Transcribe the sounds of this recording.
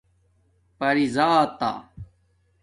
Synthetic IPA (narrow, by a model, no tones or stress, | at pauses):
pɐɾizaːt̪a̰